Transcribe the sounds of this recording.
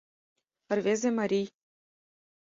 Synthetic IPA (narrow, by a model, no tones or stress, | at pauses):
ɘ̆rvʲezʲemɑɾʲij